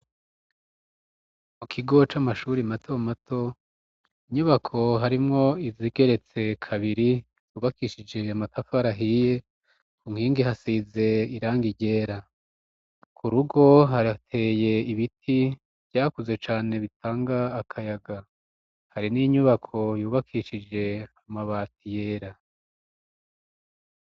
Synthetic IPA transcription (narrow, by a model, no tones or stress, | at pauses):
mukʰiɡo̞t͡ʃamaʃuːɾimatʰomatʰo̞ | iɲuβakʰo̞ɦaɾimŋo̞iziɡe̞ɾe̞t͡se̞kʰaβiɾi | uβakiʃid͡ʒe̞amatafaɾaɦije̞ | kuŋhiːŋɡihasize̞iɾaːŋɡiɟe̞ːɾa | kʰuɾuɡo̞ɦaɾatʰe̞ːje̞iβitʰi | β̥ɟaːkuze̞t͡ʃaːne̞βitʰaːŋɡaːkʰajaɡa | haɾiniɲuβakʰo̞juːβakʰiːʃid͡ʒe̞amaβaːtije̞ːɾa